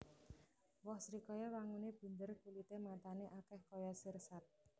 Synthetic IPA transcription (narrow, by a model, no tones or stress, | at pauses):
wɔhsɾikɔjawaŋuneb̥ṳɲdərkulit̪emat̪aneʔakɛhkɔjasərsat̪̚